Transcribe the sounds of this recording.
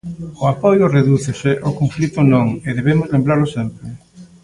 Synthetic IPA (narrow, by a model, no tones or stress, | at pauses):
ʊapojʊreðuθeseʔokoɱflit̪onõŋeðeβemozlẽmbɾaɾlʊsempɾɪ